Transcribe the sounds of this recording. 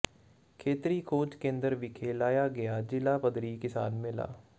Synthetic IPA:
kʰeːt̪ɾiːkʰoːt͡ʃkẽːnd̪əɾʋiːkʰeːlaːjaːɡɪjaːd͡ʒɪlaːpəd̪ɾiːkɪsaːnmɪla̰ː

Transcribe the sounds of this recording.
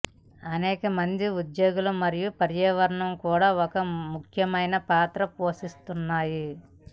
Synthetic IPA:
ɐnɛːkɐmɐnd̪iud̪jo̞ːɡulumɐɾijupɐɾjɐʋɐɾɳɐmkuːɽaːɔkɐmukʰjɐmɐjnɐpaːt̪ɾɐpo̞ːsist̪unːaːji

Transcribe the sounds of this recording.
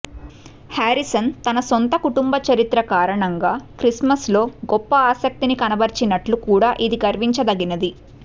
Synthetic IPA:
haːɾisɐnt̪ɐnɐsont̪ɐkuʈumbɐt͡ʃɐɾit̪ɾɐkaːɾɐɳɐŋɡaːkɾismɐslo̞ːɡɔpːɐaːsɐk̚t̪inikɐnɐbɐɾt͡ʃinɐʈlukuːɽaːʔid̪iɡɐɾʋiɲt͡ʃɐd̪ɐɡinɐd̪i

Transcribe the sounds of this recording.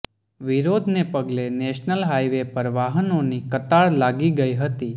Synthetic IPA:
ʋiɾod̪ʱnepəɡleneʃnəlɦaiʋepəɾʋaɦənonikət̪aɭlaɡiɡəiɦət̪i

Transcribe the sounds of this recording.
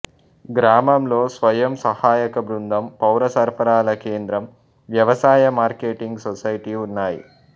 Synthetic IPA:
ɡɾaːmɐmlo̞ːsʋɐjɐmsɐhaːjɐkɐbɾund̪ʱɐmpɐwɾɐsɐɾpʰɐɾaːlɐkeːnd̪ɾɐm | ʋjɐʋɐsaːjɐmaːɾkeːʈiŋɡsɔsɐjiʈiunːaːjḭ

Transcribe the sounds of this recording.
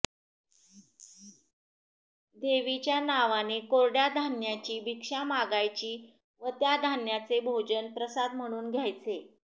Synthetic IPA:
d̪eʋit͡ɕjanaʋanekoɾɽjad̪ʱanjat͡ɕiːbikʂamaɡajt͡ɕiː | ʋət̪jad̪ʱanjat͡sebʱod͡ʑənpɾəsad̪m̤əɽ̃uːnɡʱjajt͡se

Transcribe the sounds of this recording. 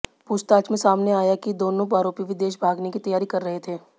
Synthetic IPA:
pʊst̪aːt͡ʃmẽsaːmneaːjakid̪oːnõpaːɾoːpiʋɪd̪eːʃbʱaːɡnekit̪ɐjaːɾikɐɾːɐɦet̪ʰeː

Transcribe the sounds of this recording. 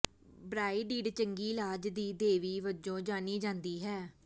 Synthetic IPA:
bɾaːiːɖiːɖt͡ʃəŋɡiːlaːd͡ʒd̪iːd̪eːʋiːʋəd͡ʒõːd͡ʒaːniːd͡ʒãːnd̪iːɦɛː

